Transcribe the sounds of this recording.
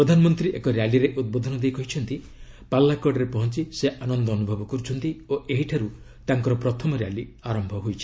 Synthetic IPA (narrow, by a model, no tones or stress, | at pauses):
pɾɔd̪ʱanɔmɔnt̪ɾiʔekɔɾjaliɾeʔud̪̚bod̪ʱɔnɔd̪ejkɔɦit͡ʃʰɔnt̪i | palːakɔɖɔɾepɔɦɔnt͡ʃiseʔanɔnd̪ɔːnubʱɔbɔkuɾut͡ʃʰɔnt̪ioʔeɦiʈʰaɾu | t̪aŋkɔɾɔpɾɔt̪ʰɔmɔɾjaliaɾɔmbʱɔɦojt͡ʃʰi̥